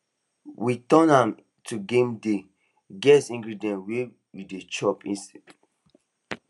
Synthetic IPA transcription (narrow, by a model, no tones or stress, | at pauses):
witɔ̃nãm | tʰuɡẽmde | ɡɛsĩŋɡɹidiɛ̃ntwe | judet͡ʃɔpĩsɛd